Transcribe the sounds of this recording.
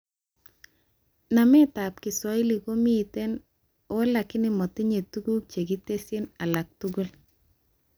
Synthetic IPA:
na˨mɛ˦ta˨p̚kɪ˨swa˦ɪ˦li˨ko˦mi˦˨te˦n | o˦la˨kɪ˦nɪ˨mɔ˨ti˦ɲe˨tu˦ɡu˦k̚t͡ʃe˨ki˦te˦se˦na˨la˨k̚tuɡu˦l

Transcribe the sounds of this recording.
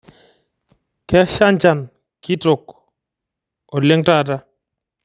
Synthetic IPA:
kɛ˦ʃa˦nt͡ʃa˨n | ki˦to˨k̚ | o˨le˦ŋta˦˨ta˦

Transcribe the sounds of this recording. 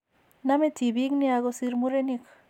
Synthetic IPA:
na˦me˦ti˨bi˦kni˦a˧ɡo˦siɾmu˦ɾe˦ni˦k

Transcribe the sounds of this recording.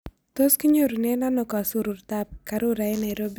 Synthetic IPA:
t̪o˦ski˦ɲo˦ɾu˨ne˦na˦nɔ˨ka˨su˦ɾu˨rt̪a˦p̚ka˨ɾʊ˦ɾa˨ɪ˦na˨ɪ˨ɾo˦bi˦

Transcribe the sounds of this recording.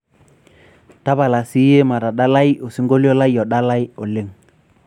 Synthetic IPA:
ta˦ba˨la˨si˦je˦ma˨ɾa˨ɗa˦la˦jo˨si˦ŋɡo˦li˦o˦la˦jɔ˨ɗa˦la˦jɔ˨lɪ˦ŋ

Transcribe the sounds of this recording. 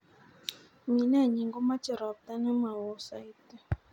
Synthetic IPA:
mi˨n˦a˦˨ɲi˨ŋɡo˦ma˦t͡ʃɛ˨ɾa˨b̚t̪a˦nɛ˦ma˨wɔ˨sa˨i˦tɛ˦˨

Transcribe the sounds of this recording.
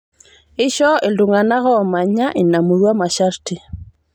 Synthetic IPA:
ɪ˦ʃɔ˦e˨lduŋa˨na˦ɣɔː˦˨ma˨ɲa˦ʔɪ˨na˨mu˨ɾwa˦ma˨ʃaɾti˦

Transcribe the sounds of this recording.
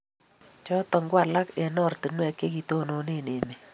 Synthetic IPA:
t͡ʃɔ˦tɔ˨ŋɡwa˨la˦ke˨nɔ˦˨rtɨ˨nwɛ˨kːe˦ki˨to˦no˨ne˦˨ne˨ne˨

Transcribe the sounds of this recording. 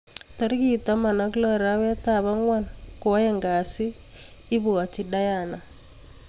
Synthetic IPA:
tɔ˦ɾki˦ta˦ma˨na˦klɔ˦ɾa˦wɛ˦ta˦˨βa˦ŋwa˦nko˨wa˦jɛ˦ŋɡa˨sɪː˦ | βwa˨t͡ʃi˦da˦ja˨na˨

